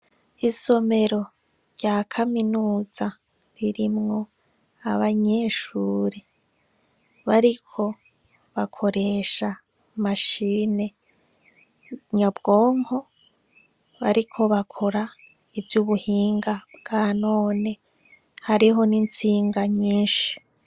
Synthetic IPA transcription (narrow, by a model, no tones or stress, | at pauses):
iso̞me̞ɾo̞ | ɾɟaːkʰaminuːz̥a | ɾiɾimŋo̞ | a̰βaɲe̞ːʃuːɾe | βaɾikʰo̞ | βakʰo̞ɾe̞ːʃa | maʃiːne̞ | ɲabɡo̞ːŋho̞ | βa̰ɾikʰo̞βakʰoɾa | ivjuβuhiːŋɡabɡ̥aːno̞ːne̞ | haɾiɦo̞nint͡siːŋɡaɲiːnʃi̥